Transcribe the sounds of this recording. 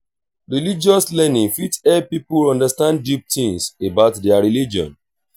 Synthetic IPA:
ɹilid͡ʒɔslɛnĩŋfitɛpipuɔ̃ndəstãnddip̚tĩŋsebaʊtdɛaɹilid͡ʒiɔ̰̃n

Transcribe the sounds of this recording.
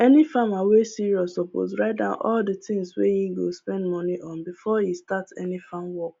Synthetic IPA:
ɛnifamawesiɹiɔsɔpo̰zɹaɪt̚dãʊ̃nʔɔldətɪ̃ŋswejiɡospɛ̃ndmɔniʔɔ̃nbifɔjistatsɛ̰nifãmwɔk̚

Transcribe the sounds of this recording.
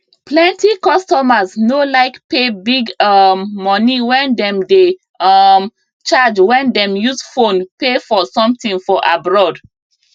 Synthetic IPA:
plɛ̃ntʰikɔstɔmaznolaɪkpebiɡmːɔniwɛ̃ndɛ̃mde | ʌm | t͡ʃad͡ʒwɛ̃ndɛ̃mjuzfõnpefɔsɔ̃mtĩŋfɔʔabɹɔd

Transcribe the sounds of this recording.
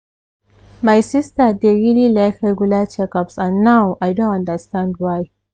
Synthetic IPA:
majsɪstəd̪eɹililajkɾeɡulat͡ʃɛkapsãnːawʔajdõnãnɖəɾstãndwaj

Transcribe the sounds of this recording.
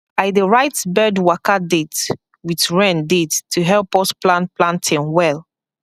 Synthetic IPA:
aɪdəɹaɪtbɛdwakadet | witɹɛ̃ndetʰːuɦɛlpɔsplãnplãntʰĩnwɛl

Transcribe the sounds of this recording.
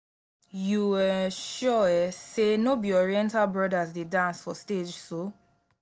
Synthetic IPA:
juwɛʃɔɛsenobiɔɹiɛ̃ntalbɹɔdazdedãnsfɔsted͡ʒso

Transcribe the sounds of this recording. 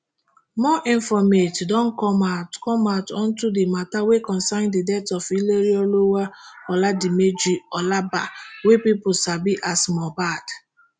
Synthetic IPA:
mɔʔĩɱfɔmetdɔ̃nkɔmatkɔmaʊtɔ̃n̩tudɪmatawekɔ̃nsaɪndidɛtɔfileɾiɔlowaɔladimed͡ʒiɔlaba̰wepipʊsabiʔasmɔbad

